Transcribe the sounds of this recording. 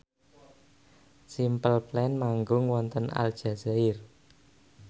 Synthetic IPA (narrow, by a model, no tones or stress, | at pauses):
simpəlplɛnmaŋɡʊŋwɔnt̪əna̰ld̥ʒ̥a̤zaɪr